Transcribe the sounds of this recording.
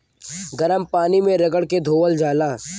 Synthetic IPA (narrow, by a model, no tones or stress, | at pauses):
ɡɐɾəmpaːnimẽɾɐɡəɽked̪ʱoːʋəld͡ʒaːlaː